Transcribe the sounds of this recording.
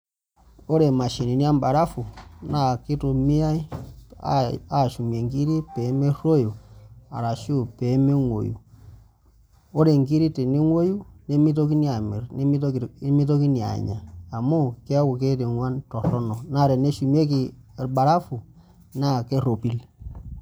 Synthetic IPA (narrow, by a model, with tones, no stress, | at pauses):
o˦ɾe˨ma˨ʃi˨ni˨ni˦a˦mba˨ɾa˦fu˨na˦˨ki˦tu˨mi˦a˦i˦a̰˦a˨ʃu˨m˨e˨ŋki˦ɾi˦pe˨˦me˦ɾo˦jo˨a̰˨ɾa˨ʃu˦pe˨˦me˦ŋʷo̰˨jṵ˨ | o˦ɾe˨ŋki˦ɾi˦te˨ni˦ŋo˦ju˦ne˦mi˦to˦ki˦ni˦a˨mḭ˨ɾni˦i˦tmi˦to˦ki˦ni˨a̰˨ɲa̰˨a˨mo˦ke˦a˦wu˨ke˦te˨ŋwa˦ntɔ˨tɔ˦nɔ˨na˦˨ɾɛ˨ne˦ʃu˨m˦e˦ki˨ba˨ɾa˦fu˨ | na˦˨ke˦ɾo˨pi˦l